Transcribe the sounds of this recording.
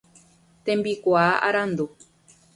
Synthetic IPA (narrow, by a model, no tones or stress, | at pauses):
t̪ẽmbikʷaʔa̰ɾand̪u